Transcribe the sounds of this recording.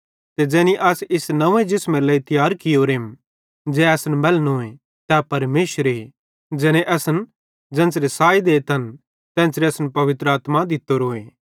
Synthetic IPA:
t̪ed͡ʒɛ̃ːniʔɐsɪsnɐ̃ẽd͡ʒɪsmẽlɐit̪jaːɾkɪjoːɾem | d͡ʒɛɛːsnbɛlnoːẽ | t̪ɛpɐɾmeːʃəɾe | d͡ʒɛːneʔɛsən | d͡ʒɛ̃ːnsɾesaːid̪eːt̪ɐn | t̪ɛ̃ːnsɾeɐsnpɐʋɪt̪ɾəaːt̪mad̪ɪt̪ːoɾoːeː

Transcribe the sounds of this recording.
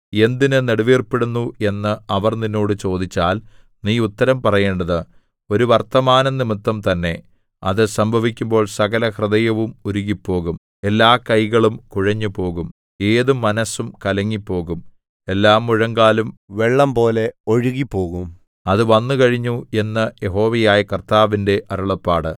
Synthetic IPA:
e̞nd̪inɨneɽuʋiːrpeɽunːue̞nːɨɐʋɐrninːo̞ːɽɨt͡ɕo̞ːd̪it͡ɕːaːl | niːut̪ːɐɾɐmpɐrɐje̞ːɳɖɐðɨ | o̞ɾuʋɐrt̪ɐmaːnɐnimut̪ːɐmt̪ɐnːe̞ | ɐðɨsɐmbʱɐʋikʲːumbo̞ːɭsɐɣɐlɐhrɨðɐjɐʋumuɾuɣipːo̞ːɣum | e̞lːaːkɐjɣɐɭumkuɻɐɲːupo̞ːɣum | e̞ːðumːɐnɐsumkɐlɐŋːipːo̞ːɣum | e̞lːaːmːuɻɐŋɡaːlumʋe̞ɭːɐmpo̞ːle̞o̞ɻuɣipːo̞ːɣum | ɐðɨʋɐnːukɐɻiɲːue̞nːɐjeɦo̞ːʋɐjaːjɐkɐrt̪aːʋinde̞ʔɐɾuɭɐpːaːɽɨ

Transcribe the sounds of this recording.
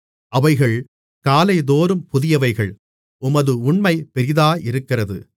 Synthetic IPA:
ʔɐʋɐɪɣɐɭ | kaːlɐɪðoːɾɯmpʊðɪjɐʋɐɪɣɐɭ | ʊmɐðɯʊɳmɐɪpɛɾɪðaːʔɪɾɯkːɪrɐðɯ̰

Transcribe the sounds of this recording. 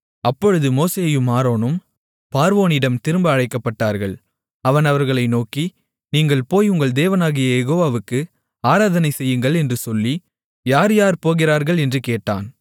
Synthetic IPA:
ɐpːɔɻɯðɯmoːseːjɯmːaːɾoːnɯm | paːɾʋoːnɪɽɐmt̪ɪɾɯmbɐɐɻɐɪkːɐpːɐʈːaːɾɣɐɭ | ɐʋɐnɐʋɐɾɣɐɭɐɪnoːki | niːŋɡɐɭpoːjʊŋɡɐɭd̪eːʋɐnaːɣɪjɐjɛɣoːʋaːʋɯkːɯ | aːɾaːðɐnɐɪsɛjːɯŋɡɐɭɛndrɯsɔlːi | jaːɾjaːɾpoːɣɪɾaːɾɣɐɭɛndrɯkeːʈːa̰ːn

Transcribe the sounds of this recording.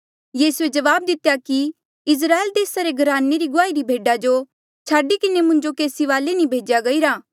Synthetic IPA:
jiːsued͡ʒɐʋaːb̚d̪ɪt̪jaki | ɪs̬ɾaːeld̪eːsaɾeɡʱɐɾaːnːeɾiɡʊaːiɾibʱeːɖad͡ʒo | t͡ʃʰaːɖikɪnemʊ̃ɲd͡ʒokeːsiʋaːlenĩbʱeːd͡ʒjaɡɐiɾaː

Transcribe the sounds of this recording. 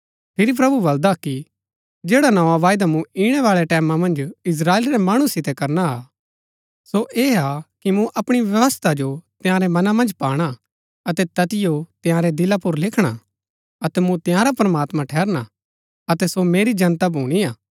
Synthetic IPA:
pʰɪɾip̬ɾɐbubɐld̪aki | d͡ʒeːɽanɐʋãʋaːjd̪amũiːɽ̃ɛʋaːɭɛʈɛːmãmɐ̃nd͡ʒɪs̬ɾaːeːlɾemaːɽ̃ũsɪt̪ɛkɐɾnaː | soʔeːakimũʔɐpɽ̃iʋjɐʋəst̪ʰad͡ʒot̪ɪjãːɾemɐnamɐ̃nd͡ʒpaːɽ̃a | ɐt̪ɛt̪ɐt̪ɪjot̪ɪjãːɾed̪ɪlapʊɾlɪkʰɽ̃a | ɐt̪ɛmũt̪ɪjãːɾapɾɐmaːt̪mãʈʰɛːɾña | ɐt̪ɛsomeːɾid͡ʒɐnt̪abʱuːɽ̃iaː

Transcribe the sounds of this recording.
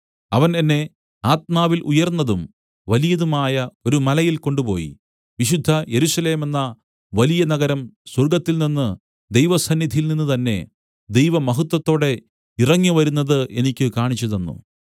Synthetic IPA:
ɐʋɐnenːe̞ | aːt̪̚maːʋilʔujɐrnːɐðum | ʋɐlijɐðumaːjɐo̞ɾumɐlɐjilko̞ɳɖupo̞̰ːjḭ | ʋiɕud̪ʱːɐje̞ɾuɕɐle̞ːme̞nːɐ | ʋɐlijɐnɐɣɐɾɐmswɐrɡɐt̪ːilninːɨ | d̪ejʋɐsɐnːid̪ʱijilninːut̪ɐnːe̞ | d̪e̞jʋɐmɐɦut̪ːwɐt̪ːo̞ːɽe̞ | irɐŋːiʋɐɾunːɐðɨʔe̞nikʲːɨkaːɳit͡ɕːɐðenːṵ

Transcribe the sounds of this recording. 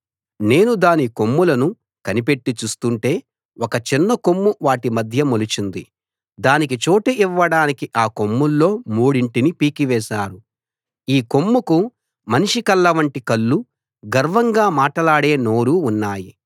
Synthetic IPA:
ne̞ːnud̪aːnikomːulɐnu | kɐnipe̞ʈːit͡ʃuːst̪uɳʈe̞ː | ɔkɐt͡ʃinːɐkomːuʋaːʈimɐd̪ʱjɐmolut͡ʃind̪i | d̪aːnik̬it͡ʃoːʈɐʔiʋːɐɽaːnikiʔaːkomːulːo̞ːmuːɽiɳʈinipiːkiʋɛːʃaːɾu | iːko̞mːuku | mɐniʂikɐlːɐʋɐɳʈikɐlːu | ɡɐɾʋɐŋɡaːmaːʈɐlaːɽe̞ːno̞ːɾuːnːaːji

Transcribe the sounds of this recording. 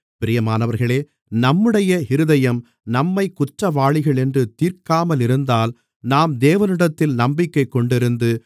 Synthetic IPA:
pɪɾɪjɐmaːnɐʋɐɾɣɐɭeː | nɐmːɯɽɐjɐhɪɾɯðɐjɐm | nɐmːɐɪkʊʈrɐʋaːɭɪɣɐɭɛndrɯt̪iːɾkaːmɐlɪɾɯnd̪aːl | naːmd̪eːʋɐnɪɽɐt̪ːɪlnɐmbɪkːɐɪkːɔɳɖɪɾɯnd̪ɯ

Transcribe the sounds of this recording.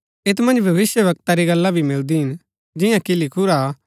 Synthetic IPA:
ɪt̪mɐ̃nd͡ʒbʱɐʋɪsjəʋɐk̚t̪aɾiɡɐlːabʱimɪld̪iɦɪn | d͡ʒɪjãkilɪkʰuɾaː

